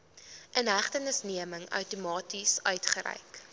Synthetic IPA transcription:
ʔənɦæχtənəsniəməŋœ̰wtumɑːtisœɥtχəɾɛ̰jk

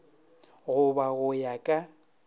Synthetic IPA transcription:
ɣʊbaɣʊjakʼa

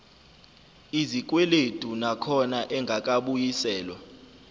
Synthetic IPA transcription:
izik̬ʼweled̥ʱunakʰɔnaʔɛŋɡʱak̬ʼaɓujisɛːlwa

